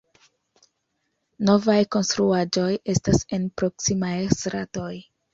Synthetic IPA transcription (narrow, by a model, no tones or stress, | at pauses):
no̞vajko̞nstɾuad͡ʒo̞je̞stase̞npɾo̞ksimajsɾato̞j